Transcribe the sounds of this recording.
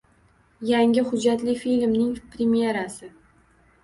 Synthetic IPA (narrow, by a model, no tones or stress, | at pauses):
jaŋʲɪhʊd͡ʒat̪lɪfilmnɪŋpɾemije̞ɾasɪ